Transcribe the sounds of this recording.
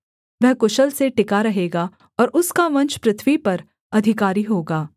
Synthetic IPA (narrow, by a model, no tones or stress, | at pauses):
ʋɛɦkʊʃəlseʈɪkaɾɐɦeːɡaː | ɔːɾʊskaʋɐ̃ɲt͡ʃpɾɪt̪ʰʋipɐɾ | ɐd̪ʱɪkaːɾiɦoːɡaː